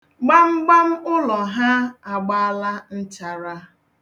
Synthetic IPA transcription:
ɡ͡ba˦m̩˦ɡ͡ba˦m̩˦ʊ˦lɔ˨ɦa˦a˨ɡ͡ba˦la˦n̩˦t͡ʃa˨ɾa˦

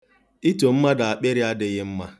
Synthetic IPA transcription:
i˦to˨m̩˦ma˦da˨a˨k͡pe˦ɾɪ˦a˦dɪ˦ɣɪ˦m̩˦ma˦

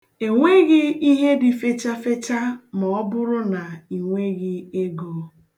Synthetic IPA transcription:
e˨ŋʷe˦ɣɪ˦i˦ɦe˦dɪ˨fe˦t͡ʃa˦fe˦t͡ʃa˦mɔ˨ɔ˦bʊ˦ɾʊ˦na˨i˨ŋʷe˦ɣɪ˦e˦ɡoː˨˦

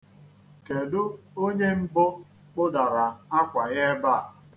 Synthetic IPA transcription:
ke˨dʊ˦ | o˦ɲe˦m̩˦bʊ˦ | k͡pʊ˦da˨ɾa˨a˦kʷa˨ɣe˦ba˦˨

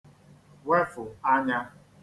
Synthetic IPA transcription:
we˦fʊ˨a˦ɲa˦

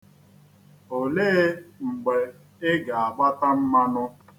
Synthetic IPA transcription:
o˨le˦ŋ͡m̩˨ɡ͡be˨ | ɪ˦ɡa˨a˨ɡ͡ba˦ta˦m̩˦ma˦nʊ˦

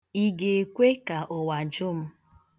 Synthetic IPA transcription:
i˦ɡe˨e˨kʷe˦ka˨ʔɔ˨wa˨d͡ʒʊ˦m̩˦

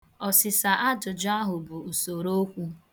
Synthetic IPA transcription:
ɔ˨sɪ˨sa˨ʔa˦d͡ʒʊ˨d͡ʒʊ˦a˦ɦʊ˨bʊ˨u˨so˨ɾo˦kʷu˦

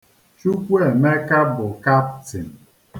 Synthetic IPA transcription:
t͡ʃu˦kʷe˦˨me˦ka˦bʊ˨ka˦p̚ti˨m̩˨

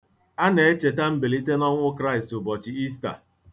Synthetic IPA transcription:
a˦ne˨e˦t͡ʃe˨ta˦m̩˦be˨li˦te˦nɔ˦ŋʷʊ˦kɾa˦ɪ˨stʊ˨bɔ˨t͡ʃɪ˨i˦sta̰˨

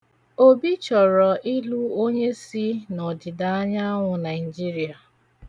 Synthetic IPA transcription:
o˦bi˦t͡ʃɔ˨ɾɔ˨ʔi˦lu˦o˦ɲe˦si˦nɔ˨dɪ˨da˨a˦ɲa˦ŋʷʊ˨na˨ɪ˨d͡ʒi˦ɾi˨a˨

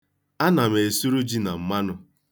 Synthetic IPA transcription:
a˦na˨me˨e˨su˦ɾu˦d͡ʒi˦na˨m̩˨ma˦nʊ˨

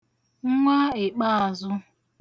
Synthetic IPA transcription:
ŋ̩˦ŋʷa˦e˨k͡pa˦a˨zʊ˦

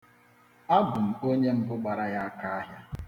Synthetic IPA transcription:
a˦bʊ˨m̩˨o˦ɲe˦m̩˦bʊ˦ɡ͡ba˨ɾa˦ja˦a˦ka˦a˦ɦja˦

